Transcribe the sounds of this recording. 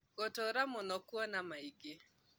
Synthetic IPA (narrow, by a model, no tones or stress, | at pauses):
ɡɔtɔɾamʊnɔkwɔnamaiɡɪ